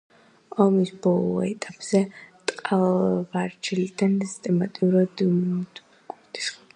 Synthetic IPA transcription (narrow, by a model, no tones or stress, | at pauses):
ɔmisbɔlˠɔ̰ɛ̰t̪ʼapʼz̥ɛt̪ʼqʼalvaɾt͡ʃʰɛlid̪ʰanist̪ʼɛmat̪ʼiuɾad̪ | kʼuɾd̪ʰʼi̥sχ